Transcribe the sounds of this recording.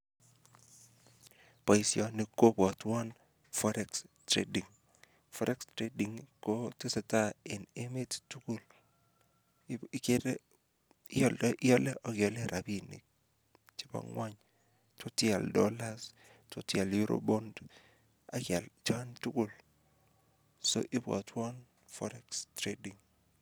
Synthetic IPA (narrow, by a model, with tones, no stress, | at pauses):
pa˨i˨sjɔ˨ni˨ko˦pːtwɔ˦n | fɔ˦ɾɛ˦kstɾḛ˦di˨ŋ | fɔ˦ɾʔɛ˦kstɾe˦di˨ŋko˦te˦se˨ta˦e˨ne˦me˦ttu˦ku˦l | kede˦ | jɔ˦lʔjɔ˦lɛ˦ʔɔ˦ɡjɔ˨le˦ɾʔa˨bi˨nḭ˨ | t͡ʃɪ˦bɔ̰˨ŋwa˦ɲ | tʰo˦tja˨ldɔ˦la˦s | to˨tja˨lju˦ɾo̰bo˦nd | a˨kɛ˨lt͡ʃa˦ntu˦ku˦˨l | so̰˦ʔɪ˦bɔ̰˨tʰwɔ˦n | fɔ̰˦ɾɛ˦kstɾe˦di˨ŋ